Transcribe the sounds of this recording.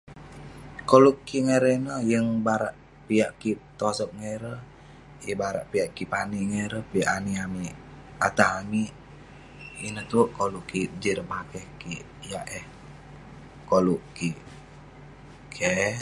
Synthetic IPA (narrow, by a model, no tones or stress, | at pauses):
kolukːiŋeɾɛnəjəŋbaɾaʔ | pijaʔkit̪ɔsɔk̚ŋɛɾə | jəbaɾa̰ʔpiaʔkipaniŋɛɾəpiaʔaniami | at̪ahami | inət̪uʔkoluʔkid͡ʒiɾmakɛhki | jaʔɛh | koluki | kʰɛ